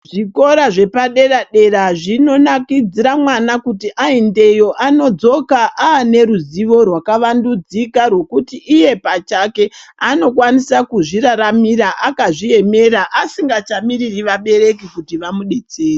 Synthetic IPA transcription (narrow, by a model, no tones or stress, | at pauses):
ʐiko̞ɾaʐe̞paɗe̞raɗe̞ɾaʐino̞nakid͡ziɾamwanakutiʔainde̞jo̞ʔano̞d͡zo̞kaʔaːne̞ɾuziʋo̞rwakaʋandud͡zikarwe̞kutiʔːje̞pat͡ʃake̞ano̞kwanisakuʐiɾaɾamiɾaʔakaʐie̞me̞ɾaʔasiŋɡat͡ʃamiririʋaɓe̞ɾe̞kikutiʋamuɗet͡seːri